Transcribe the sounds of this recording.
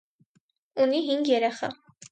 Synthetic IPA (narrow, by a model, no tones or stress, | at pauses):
uniɦiŋɡjɛɾɛχɑ̰